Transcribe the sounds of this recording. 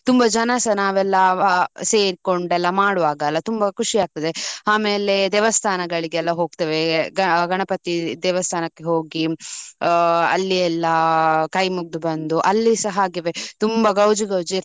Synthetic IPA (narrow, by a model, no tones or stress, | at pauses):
t̪umbɐd͡ʒɐnɐsɐnaːʋɛlːɐseːɾikoɳɖɛlːɐmaːɽuʋaːɡɐlːɐt̪umbɐkʰuʂiaːɡ̚t̪ɐd̪eaːmeːle̞d̪ɛːʋɐst̪ʰaːnɐɡɐɭiɡeɛlːɐɦo̞ːɡ̚t̪ɐʋe̞ɡɐɡɐɳɐpɐt̪id̪ɛːʋɐst̪ʰaːnɐkːe̞ɦoːɡi | ɐ̰lːiɛlːɐkɐjmuɡ̚d̪ubɐnd̪uʔɐlːisɐɦɐːɡiʋe̞t̪umbɐɡɐwd͡ʒiɡɐwd͡ʒi